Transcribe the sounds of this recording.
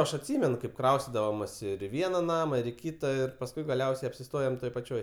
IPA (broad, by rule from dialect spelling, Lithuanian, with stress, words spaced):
ˈɐʃ ɐtʲˈsʲiːmʲɛn kɐɪp ˈkrɐʊsʲtʲɪdɐʋoːmɐs ɪr ɪ ˈʋʲiɛnɐ ˈnɑːmɐ ɪr ɪ ˈkʲiːtɐ pɐsˈkʊɪ ɡɐˈlʲɛʊsʲɛɪ ɐpʲsʲɪˈstoːjoːm ˈtoːj pɐˈt͡ʃʲoːj